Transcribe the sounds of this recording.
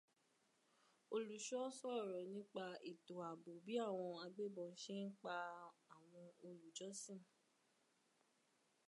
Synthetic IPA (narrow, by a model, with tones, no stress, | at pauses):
o˧lu˨ʃɔ˦sɔ˦˨ɾɔ˨nĩ˨˦k͡pa˧i˨to˨a˨bo˨bi˨˦a˦˨w̃ɔ̃˧a˧ɡ͡be˦bɔ̃˨˦ʃe˦n̩˦k͡pa˧a˨w̃ɔ̃˧o˧lu˨d͡ʒɔ˦sĩ˦˨